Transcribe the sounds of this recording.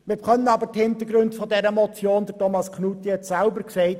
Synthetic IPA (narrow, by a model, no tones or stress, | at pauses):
mɪɾχœnənɑbəthɪntəɾɡɾʉndfɔdɛɾəmɔt͡sjoːndətʰɔmɑskχnutihɛtsælbəɾksɛɪt